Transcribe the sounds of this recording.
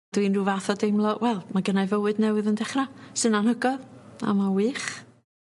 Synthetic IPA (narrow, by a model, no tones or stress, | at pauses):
d̥winruvaθɔdejmlˠɔwɛlˠmaɡənavəwɨdnɛwɨðəndɛχrasɨnanhəɡɔða̰mawiːχ